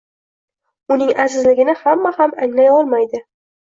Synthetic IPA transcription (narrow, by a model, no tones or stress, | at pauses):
ʊnɪŋazɪzlɪɡʲɪnɪhamːahamaŋlajɒlˠmajd̪ɪ